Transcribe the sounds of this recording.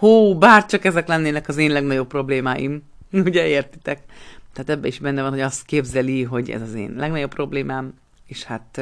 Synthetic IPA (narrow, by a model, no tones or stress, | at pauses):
hoːbaːrt͡ʃɒkɛzɛklɛnːeːnɛkɒzeːnlɛɡnɒɟo̞pːro̞bleːmaːjḭm | uɟɛeːrt̪i̥t̪ɛkt̪ɛːt̪ɛbːɛiʒbɛnːɛvɒnɦo̞ɟɒst̪keːbzɛliɦo̞ɟɛ̰zɒzḛːnlʔɛɡnɒɟo̞pːro̞bleːmaːm | eːʃhat̪